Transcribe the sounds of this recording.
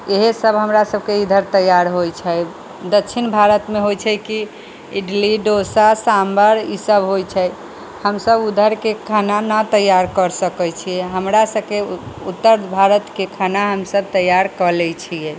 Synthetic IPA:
eɦesəbɦəmɾasəb̚ʱkeid̪ʱəɾt̪əjaɾɦojt͡ʃʰɛ | d̪ətːt͡ʃʰinbʱaɾət̪meɦojt͡ʃʰɛki | iɖliɖosasambəɾisəbɦojt͡ʃʰɛ | həmsəbud̪ʱəɾkekʰananət̪əjaɾkəɾsəkɛt͡ʃʰijɛɦəmɾasəb̚keut̪ːəɾbʱaɾət̪kekʰanaɦəmsəbt̪əjaɾkəlɛt͡ʃʰijɛ

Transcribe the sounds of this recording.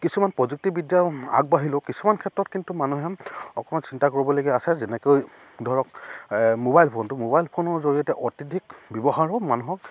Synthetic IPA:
kisumanpɹɔzuk̚tibidijaa̰ɡ̚baɦilokisumankʰɛtɹɔtkintumanuɦɛɔkɔmansintakoɹibɔloɡiasɛzenɛkoj | dʱɔɹɔk̚mobajlpʰontʊmobajlpʰonɔɹzoɹijɔtɛʔɔtidʱik̚bɔbɔxaɹɔmanuɦɔk

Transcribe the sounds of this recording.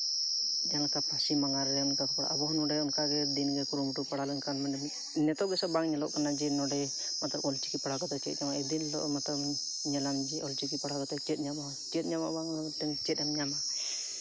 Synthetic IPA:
d͡ʒanlakapasimaŋaɾːɛunkakɔpɔɽa̰ʔabɔɦnɔɖɛunkaɡɛd̪inɡɛkuɾumʈupaɽalɔnkanman | nɛt̪ɔɡɛsabaŋɲɛlɔʔkanad͡ʒɛnɔɖɛ | mat̪labɔlt͡ʃikipaɽakat̪ɛt͡ʃɛt̪̚ɲamaʔɛd̪inlɔ̰ʔmat̪lɔb | ɲɛlamd͡ʒiʔɔlt͡ʃikipaɽakat̪ɛt͡ʃɛt̪̚ɲama | t͡ʃɛt̪̚ɲama̰ʔbaŋ | t̪ɛŋt͡ʃɛt̪̚ˀɛmɲamaʔ

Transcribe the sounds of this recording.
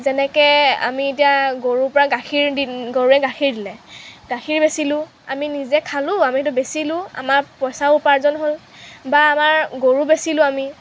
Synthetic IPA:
zɛnɛkɛa̰miet̬ijaɡoɹupɔɹaɡakʰiɹdiɡoɹuɛɡaxʰiɹdilɛɡaxʰiɹbesilʊ̃ | aminizɛkʰalʊ̃amit̬ʊbesilʊ̃a̰maɹpɔjsaupaɹzɔnɦol | baːmaɹɡoɹubesilʊ̃ami

